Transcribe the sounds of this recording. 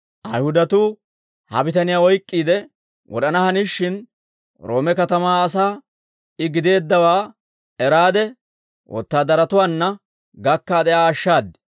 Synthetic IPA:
ʔɐjhʊd̪ɐt̪uː | hɐ̰bɪt̪ɐnɪjaːɔjkʼːiːd̪ɛ | wɔ̰ᶑɐnɐhɐnɪʃːɪn | ɾo̞ːmɛkɐt̪ɐmaːs̬aː | ɪɡɪd̪e̞ːd̪ːɐwaː | ɛɾaːd̪ɛ | wʔɔ̰t̪ːaːd̪ɐɾɐt̪ʊwaːnːɐ | ɡɐkːaːd̪ɛjaːʃːaːd̪ːɪ̥

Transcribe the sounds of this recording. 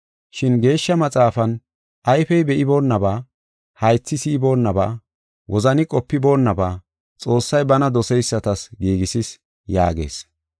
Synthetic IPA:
ʃɪnɡe̞ːʃːɐmɐt͡sʼaːfɐn | ʔɐjfɛjbɛʔɪbo̞ːnːɐbaː | hɐjt͡sːɪsiːbo̞ːnːɐba̰ː | wʔɔzɐnɪkʼɔpːɪbo̞ːnːɐbaː | t͡sʼo̞ːsːɐjbɐnɐd̪ɔsɛjsːɐt̪ɐsɡiːɡɪsɪs | ja̰ːɡe̞̰ːs

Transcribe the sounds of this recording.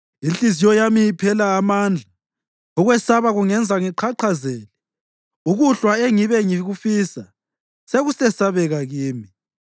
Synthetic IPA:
inɬizijɔjamijipʰɛlaːmand͡ɮʱa | ɔɣwɛsaβaɣuŋɛnd͡zʱaŋiǃʰaǃʰazɛːlɛ | uɣuɬwaeŋiβɛŋiɣufisa | seɣusɛsaβɛɣaɣiːmi

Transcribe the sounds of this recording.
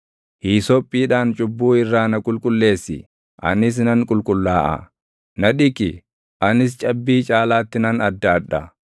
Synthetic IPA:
hiːsɔpʼːiːᶑaːnt͡ʃʼʊbːuːɪrːaːnɐkʼʊlkʼʊlːe̞ːsːɪ̰ | ʔɐ̰nɪs̬nɐŋkʼʊlkʼʊlːaːʔɐ̰ | nɐᶑɪkɪ | ʔɐnɪs̬t͡ʃʼɐbːiːt͡ʃʼaːlaːt̪ːɪnɐnɐd̪ːaːᶑɐ

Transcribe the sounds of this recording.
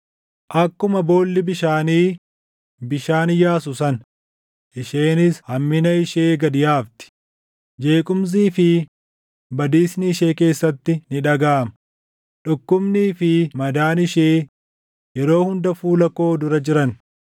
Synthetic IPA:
ʔɐkːʊmɐbo̞ːlːɪbɪʃaːniː | bɪʃaːnɪjaːsʊsɐn | ʔɪʃe̞ːnɪshɐmːɪnɐɪʃe̞ːɡɐd̪ɪjaːft̪ɪ̥ | d͡ʒe̞ːkʼʊms̬iːfɪ | bɐd̪iːsnɪɪʃe̞ːke̞ːsːɐt̪ːɪnɪᶑɐɡaːmɐ | ᶑʊkːʊbniːfɪmɐd̪aːnɪʃeː | jɛɾo̞ːhʊnd̪ɐfuːlɐko̞ːd̪ʊɾɐd͡ʒɪɾɐn

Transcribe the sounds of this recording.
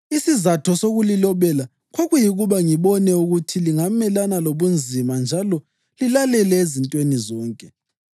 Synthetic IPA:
isizatʰɔsoɣulilɔβɛla | ɣoɣujiɣuβaŋiβɔnɛuɣutʰiliŋamɛlanaloβund͡zʱimand͡ʒʱalɔ | lilalɛlɛezintʼwenizɔːŋkʼɛ

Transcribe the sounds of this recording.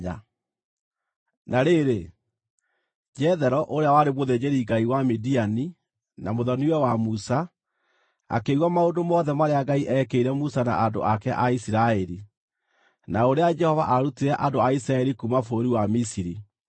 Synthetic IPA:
a̰ | naɾeɾe | d͡ʒɛðɛɾɔʔoɾeawaɾemoðed͡ʑeɾiɡaiwamidiani | namoðɔniwɛwamusa | a̰keɣwamaondomɔðɛmaɾeaɡaiʔɛkeiɾɛmusana̰ʔado̰akɛʔaisiɾaɛɾi | naoɾead͡ʒɛhɔvaʔaɾutiɾɛʔandoaisiɾaɛɾikumafoɾiwamisiɾi

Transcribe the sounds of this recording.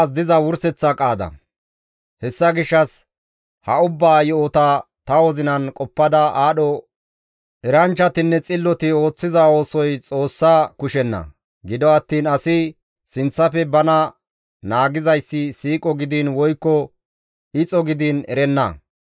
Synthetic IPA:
s̬d̪ɪzɐwʊɾsɛt͡sːɐkʼaːd̪ɐ̰ | hɛsːɐɡɪʃːɐs | hɐʊbːaːjɔɔt̪ɐ | t̪ɐwɔzɪnɐnkʼɔpːɐd̪ɐʔaːɗɔ | ʔɛɾɐnt͡ʃːɐt̪ɪnːɛt͡sʼɪlːɔt̪ɪo̞ːt͡sːɪzao̞ːsɔjt͡sʼo̞ːsːaːkʊʃɛnːɐ̰ | ɡɪd̪ɔɐt̪ːiːnɐsɪ | sɪnt͡sːɐfɛbɐnɐ | naːɡɪzɐjsːɪsiːkʼɔɡɪd̪inwɔjkːɔ | ɪt͡sʼɔɡɪd̪inɛ̰ɾɛnːɐ̰

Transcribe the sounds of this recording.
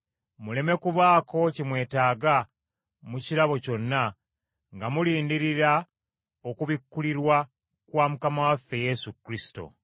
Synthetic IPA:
mule̞me̞kuβaːko̞cimwe̞ːtaːɡa | muciɾaβo̞co̞nːa | ŋɡamuliːndiɾiɾa | o̞kuβikːuliɾwa | kwaːmukamawafːe̞je̞sukɾisi̥to̰

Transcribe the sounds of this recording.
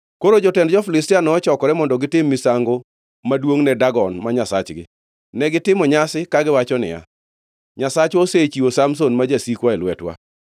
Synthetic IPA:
koɾod͡ʒɔtɛndd͡ʒɔfɪlɪstɪanɔːt͡ʃɔkɔɾɛmɔndɔɡɪtɪmːɪsaŋɡo | madwoŋnɛdaɡɔnmaɲasa̰t͡ʃɡɪ̰ | nɛɡɪtɪmɔɲasɪkaɡɪwat͡ʃɔnɪ̰ja̰ | ɲasat͡ʃoset͡ʃiosamsonmad͡ʒasikwaelwɛtwa̰

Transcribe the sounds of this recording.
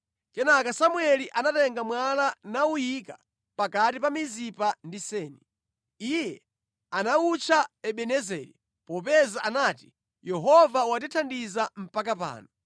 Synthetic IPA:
kɛnakasamuɛliʔanatɛŋɡamwalanaujika | pakatipamizipandisɛːni | ijɛ | anaut͡ʃʰaɛɓɛnɛzɛ̰ːɾḭ | pɔp̬ɛzaʔanati̥ | jɛɦɔvawat̬itʰandizam̩pak̬apa̰ːnɔ

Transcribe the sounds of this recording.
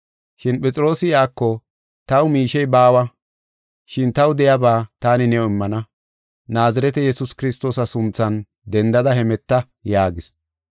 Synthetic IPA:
ʃɪnpɛt͡sʼɪɾo̞ːsɪjaːkːɔ | t̪ɐwʊmiːʃɛjbaːwɐ | ʃɪnt̪ɐwd̪ɛjabaːt̪aːnɪnɛɔɪmːɐnɐ | naːzɐɾɛt̪ɛjɛsʊskɪɾɪst̪o̞ːsɐsʊnt͡sːɐn | d̪ɛnd̪ɐd̪ɐhɛmɛt̪ːɐ | jaːɡɪs

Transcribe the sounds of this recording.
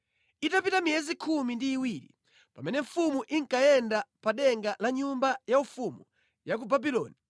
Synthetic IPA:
itapitamijɛzikʰumindiːwiɾḭ | pamɛnɛɱ̩fumuʔiŋkajɛndapaɗɛŋɡalaɲumbajaufumu | jak̬ubabilɔ̰ːni

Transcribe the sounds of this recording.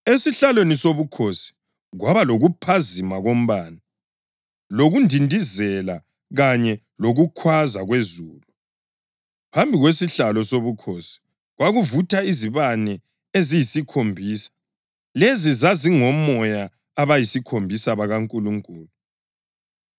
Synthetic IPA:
esiɬalwenisoβukʰosi̥ | ɣwaβaloɣupʰazimaɣom̩βana | loɣundʱindʱizɛla | ɣaɲɛ | loɣukʰwazaɣwezuːlu | pʰambʱiɣwesiɬalɔsoβukʰosi̥ | ɣwaɣuvutʰaiziβanɛ | ezijisikʰombʱiːsḁ | lezizaziŋɔmɔjaː | βajisikʰombʱisaβaɣaŋkʼuluŋkʼuːlu

